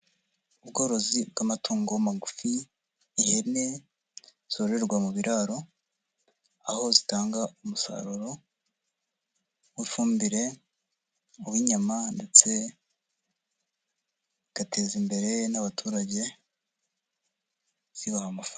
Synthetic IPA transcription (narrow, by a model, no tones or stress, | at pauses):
uβɡo̞ɾo̞zib̚ɡamatuːŋɡomaɡufiː | hene | z̥o̞ɾɾe̞ɾɡwamuβiɾʔaɾo̞ | aho̞zitaːŋɡaumusa̰ɾuɾo̞ | wifuːmbiɾe̞ | uwiɲamande̞t͡se̞ | ɡ̥ate̞ːzimbe̞ɾe̞naβatʰuːɾaɟe̞ | z̥iβahamafa